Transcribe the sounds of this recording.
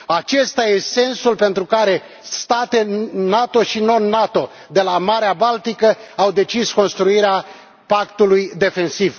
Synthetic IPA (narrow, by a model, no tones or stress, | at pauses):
at͡ʃe̞st̪ajese̞nsulpe̞nt̪ɾukaɾe̞ | st̪at̪enat̪o̞ʃino̞nːat̪o̞ | d̪e̞lamaɾeabalt̪ikəawd̪e̞t͡ʃisko̞nst̪ɾuiɾea | pakt̪ulujd̪e̞fe̞nsiv